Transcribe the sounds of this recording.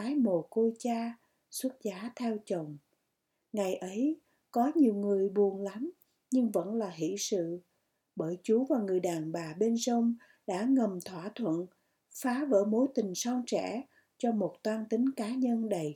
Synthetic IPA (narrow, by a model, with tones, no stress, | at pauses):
aː˨˦jmo˨˩ko˧jt͡ɕaː˧ | swə˦˥t̚zaː˨˦t̪ʰɛ˧wt͡ɕə˨˩wŋ͡m | ŋa˨˩jʔə˨˦j | kɔ˨˦ɲi˨˩əwŋɨ˨˩əjɓu˨˩ənla˨˦m | ɲɨ˧ŋvə̰˧˥nlaː˨˩ɦḭ˧˨sɨ̰˧˨ | ɓəː˧˩jt͡ɕu˨˦vaː˨˩ŋɨ˨˩əjɗaː˨˩nɓaː˨˩ɓe˧nzə˧wŋ͡m | ɗa̰ː˧˥ŋə˨˩mt̪ʰwaː˧˩t̪ʰwə̰˧˨n | faː˨˦və̰ː˧˥mo˨˦jt̪ï˨˩ŋ̟sa˧wŋt͡ɕɛ̰˧˩˥ | t͡ɕɔ˧mo˨˩t̚t̪waː˧nt̪ï˨˦ŋ̟kaː˨˦ɲə˧nɗə˨˩j